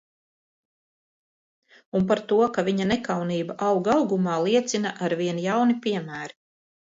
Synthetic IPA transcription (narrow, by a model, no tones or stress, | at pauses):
unpaɾt̪uɔkaviɲanɛkawniːbaʔɑwɡɑwɡumaːlˠiɛt̪sinaʔaɾviɛnjawnipiɛmæːɾi